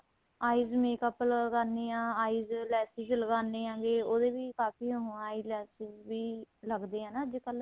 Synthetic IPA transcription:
aːiːzmeːkəpləəɡaːneːãːaːiːzlɛːsɪkləɡaːneːãːɡeːoːd̪eːʋiːkaːfiːəɦːaːilɛːsɪkʋiːləɡd̪eːãːnaːəd͡ʒkəl

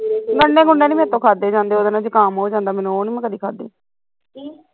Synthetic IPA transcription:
ɡəɳːẽːɡʊɳːẽːniːmɛ̃ːt̪õːkʰaːd̪eːd͡ʒãːnd̪eːoːd̪aːnãd͡ʒəkaːmɦoːd͡ʒãːnd̪aːmɛːnũoːnĩːmɛ̃ːkəd̪iːkʰaːd̪ḛː

